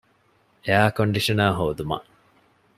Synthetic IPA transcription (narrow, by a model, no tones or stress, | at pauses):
eaːkoɳɖiʂɐnaːɦoːd̪umɐ̰ʔ